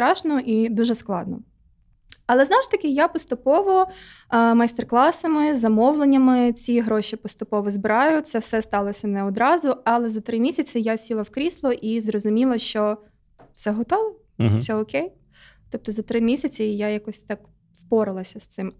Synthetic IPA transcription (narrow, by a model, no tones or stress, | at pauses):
t̪ɾɑʃnɔʔid̪uʒɛsklˠɑd̪nɔ | ɐlˠɛznɔwʒt̪ɐkʲɪjapɔst̪ʊpɔʋɔ | mɐst̪erklˠɑsɐmɪzɐmɔwlˠenʲːɐmɪt͡sʲiɦɾɔʃipɔst̪ʊpɔʋɔzbɪɾɑjʊt̪sɛwsɛst̪ɑlˠɔsʲɐnɛɔd̪ɾɑzʊɐlˠɛzɐt̪ɾɪmʲisʲɐt͡sʲɪjasʲilˠɐwkɾʲislˠɔʔizrɔzʊmʲilˠɐʃt͡ʃɔ | fsɛɦɔt̪ɔʋɔ | sʲɛɔkʲej | t̪ɔp̚t̪ɔzɐt̪ɾɪmʲisʲɐt͡sʲijajakɔsʲt̪ɑk | wpɔɾɪlˠɐsʲɐst̪sɪm